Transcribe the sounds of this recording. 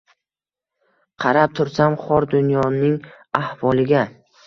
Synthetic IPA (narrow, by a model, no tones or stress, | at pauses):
qʰɑɾap̚t̪ʰʊɾsamχɒɾd̪ʊnjɒnɪŋ | ahvɒlˠɪɡʲa